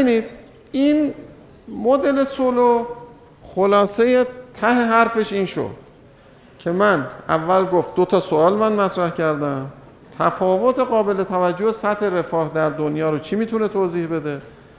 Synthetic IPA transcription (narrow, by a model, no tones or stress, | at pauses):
nid̪̥̚ | iːn | mod̪e̞le̞solo | xolɒːse̞jet̪ʰæɦe̞ɦæɾfe̞ʃiːnʃo̰d̪̥ | cʰe̞mænæ̰vːælɡoft̪̚d̪ot̪ʰɒːsoɒːlmænmæt̪ʰɾæhcʰæɾd̪æm | t̪ʰæfɒːvot̪ʰeɣɒːbe̞le̞t̪ʰævæd͡ʒːohesæt̪he̞ɾe̞fɒːhd̪æɾd̪onjɒːɾot͡ʃʰimiːt̪ʰune̞t̪ʰoːziːhbe̞d̪e̞